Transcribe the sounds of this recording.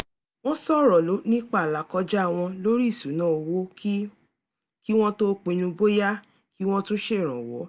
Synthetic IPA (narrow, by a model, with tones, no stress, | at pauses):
w̃ɔ̃˦sɔ˦˨ɾɔ˨lo˨˦nĩ˦k͡pa˦˨la˨˦kɔ˧d͡ʒa˦˨w̃ɔ̃˧lo˦ɾi˦˨su˨˦nãː˨˦o˨wo˦ki˦ | ki˦w̃ɔ̃˦to˦k͡pĩ˧nũ˧bo˦ja˦ | ki˦w̃ɔ̃˦tũ˦ʃe˦˨ɾ̃ã˨wɔ˨˦